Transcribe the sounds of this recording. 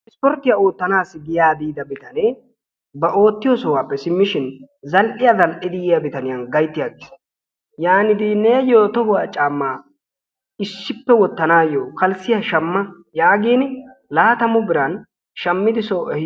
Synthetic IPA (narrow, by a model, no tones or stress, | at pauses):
ʔɪspɔɾt̪ːɪjao̞ːt̪ːɐnaːsːɪɡɪjaːd̪iːd̪ɐbɪt̪ɐnɛ | bɐʔo̞ːt̪ːɪjɔsɔwaːpːɛsɪmːɪʃɪnzɐlʔɪjazɐlʔɪd̪ɪjɪjɐbɪt̪ɐnɪjɐnɡɐjt̪ːɪjaːɡɪs | jaːnɪd̪ineːjoːt̪ɔhʊwaːt͡ʃʼaːmːaː | ɪsːɪpːɛwɔt̪ːɐnaːjoːkɐlsɪjɐʃɐmːɐ | jaːɡiːnlaːt̪ɐmʊbɪɾɐn | ʃɐmːɪd̪ɪsoːʔɛ